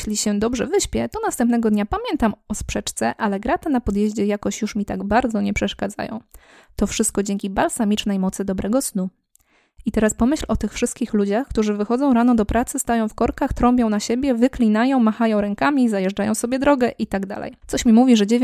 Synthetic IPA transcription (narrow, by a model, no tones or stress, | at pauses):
lʲiɕɛd̪ɔbʐɛ̰vɘɕpʲjɛt̪ɔnast̪ɛmpnɛɡɔd̪ɲapamʲjɛnt̪amɔspʂɛt͡ʂt̪sɛʔalɛɡɾat̪anapɔd̪jeʑd͡ʑɛjakɔɕjuʂmʲit̪a̰ɡbaɾd̪zɔɲɛpʂɛʂkad̪za̰jɔ̰̃w̃ | t̪ɔfʂɘst̪̚kɔd͡ʑeŋʲkʲibalsamʲit͡ʂnɛjmɔt̪sɘd̪ɔbɾʔɛɡɔsnu | it̪ɛɾaspɔmɘɕlɔt̪ɘxfʂɘst̪kʲixlud͡ʑaxkt̪uʐɘvɘxɔd̪zɔ̃w̃ɾanɔd̪ɔpɾʔat̪sɘst̪ajɔ̃w̃fkɔɾkaxt̪ɾɔmbʲjɔ̃w̃naɕebʲjɛvɘklʲinajɔ̃w̃maxajɔ̃w̃ɾɛŋkamʲizajɛʐd͡ʐajɔ̃w̃sɔbʲjɛd̪ɾɔɡɛʔit̪aɡd̪a̰lɛ̰jt̪ɔɕmʲimuvʲiʐɛd͡ʑevʲ